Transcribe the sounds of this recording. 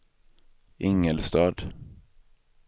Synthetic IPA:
ʔɪŋəlst̪ɑːd̪

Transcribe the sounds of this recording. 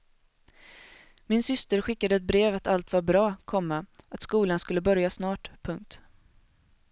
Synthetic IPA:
mɪnsʏst̪əɾɧɪkːad̪əɛt̪̚bɾeːvat̪ʰalt̪vaɾbɾɑːkʰɔmːaat̪skuːlanskɵlːəbœɾjasnɑːʈpʰɵŋk̚t̪

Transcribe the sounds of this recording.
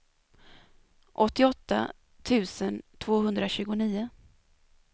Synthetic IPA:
ʔɔt̪ːɪɔt̪ːa̰ | t̪ʰʉ̟ːsənt̪ʰv̥oːɦɵnd̪ɾaɕʉ̟ːɡʊniːʊ

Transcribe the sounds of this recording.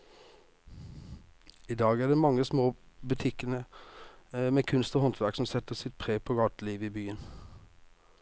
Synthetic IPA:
iːd̪ɑːɡæːɖeːmɑŋːəsmoːbʉt̪ʰɪkənə | meːkʰʉnst̪oːhɔnt̪ʰʋæʁksɔmsɛt̪əsɪt̪̚pʰʁeːpʰoːɡɑːʈliːʋəiːbyːən

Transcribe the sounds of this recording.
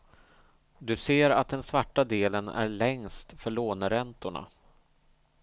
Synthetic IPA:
d̪ɵseːɾat̪̚d̪ɛnsvaʈːad̪eːlənæ̰ɾɭɛŋst̪fœɭoːnəɾɛnt̪ʊɳa̰

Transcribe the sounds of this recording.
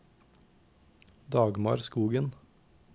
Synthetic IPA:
d̪ɑːɡmɑ̰ːɾskuːɡən

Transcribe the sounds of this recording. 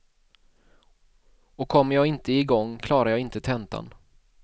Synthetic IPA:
ɔkʰɔmːəɾjɑːɡɪnt̪əɪɡɔŋːkʰlɑːɾaɾjɑːɪnt̪ət̪ʰɛnt̪a̰n

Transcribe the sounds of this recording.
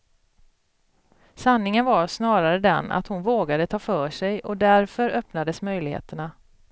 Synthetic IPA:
sanːɪŋənvaʂnɑːɾaɾəd̪ɛ̰na̰t̪hʊnvoːɡad̪ət̪ʰɑːfœːʂɛjɔd̪æɾfœɾœpnad̪əsmœjlɪɡhḛːt̪əɳa

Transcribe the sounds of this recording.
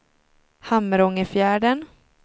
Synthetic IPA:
hamːəɾɔŋəfjæːɖən

